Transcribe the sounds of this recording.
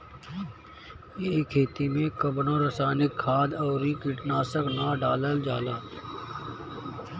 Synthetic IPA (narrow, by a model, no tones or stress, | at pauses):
eːkʰːeːt̪imẽkəbɽõɾəsaːnɪkʰːaːd̪ɔːɾikɪʈnaːsəknaɖaːləld͡ʒaːlaː